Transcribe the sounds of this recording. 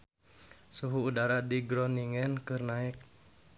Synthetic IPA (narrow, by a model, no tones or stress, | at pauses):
suɦuːdaɾadiɡɾɔniŋɛnkɨrnaɪk̚